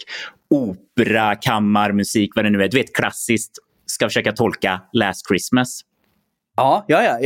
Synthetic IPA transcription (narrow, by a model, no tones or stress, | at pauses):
uːpɾakʰamːaɾmɵsiːkvad̪ɛnʉ̟ːæɖ̪ɵveːt̪kʰla̰sːɪskt̪ | skafœʂøːkat̪ʰɔlkalæːst̪kʰɾɪsmas | ɑːjɑːjɑ